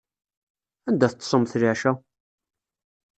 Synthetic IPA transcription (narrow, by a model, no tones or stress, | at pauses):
ænd̪æθət̪ˤːsˤomθliʕʃæ